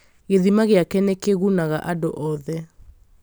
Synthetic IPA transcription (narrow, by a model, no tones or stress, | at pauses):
ɣeðimaɣeakɛnekeɣunaɣaʔadoʔɔðɛ